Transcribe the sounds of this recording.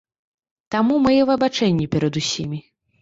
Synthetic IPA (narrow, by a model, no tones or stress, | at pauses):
t̪amumɨjɛvɐbat͡ʂɛnʲːipʲɛɾɐd̪usʲimʲi